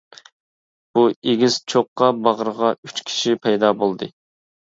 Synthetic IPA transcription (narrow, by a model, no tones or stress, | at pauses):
b̥ueɡʲiz̥t͡ʃʰoqːɑbɑʁəɾəʁɑyt͡ʃkʲʰi̥ʃipʰɛjd̪ɑːbolˠd̪ɨ